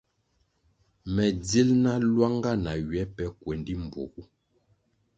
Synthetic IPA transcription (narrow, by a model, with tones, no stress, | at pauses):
mɛ˨d͡zi˦lna˦lwa˦ŋɡa˦˨na˨ɥɛ˨˦pɛ˦kwɛ˨ndi˦m˨bo̰˨ku˦